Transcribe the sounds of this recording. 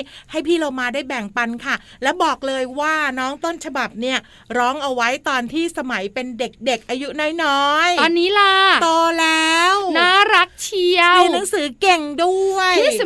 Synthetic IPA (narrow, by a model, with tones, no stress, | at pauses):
ha˥˩jpʰiː˥˩lo˧wmaː˧daː˥˩jbɛ˨˩ŋpa˧nkʰa˥˩ | lɛː˦˥wbɔː˨˩k̚lɤː˧jwaː˥˩nɔː˦˥ŋt̪o˥˩nt͡ɕʰa˧ba˨˩p̚ni˥˩ɐ | ɾɔː˦˥ŋʔa˧wa˦˥jt̪ɔː˧nt̪ʰiː˥˩sa˧ma˨˩˦jpe˧nde˨˩k̚de˨˩k̚ʔaː˧ju˦˥nɔː˦˥jnɔː˦˥jɔː˧nːiː˦˥la˧˩t̪oː˧lɛː˦˥wnaː˥˩ɾa˦˥k̚t͡ɕʰi˧əwiː˧na˩˦ŋsɯː˩˦ke˨˩ŋdu˥˩əj